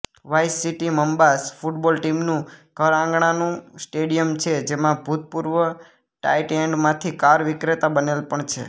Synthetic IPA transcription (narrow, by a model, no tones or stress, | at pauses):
ʋajsiʈiməmbasfuʈbɔlʈimnũkəɾãŋɡɳ̃anũsʈeɽijəmt͡ʃʰed͡ʒemãbʱut̪̚puɾʋə | ʈa̰jʈeɳɖmãt̪ʰikaɾʋɪkɾet̪abənelpəɳt͡ʃʰḛ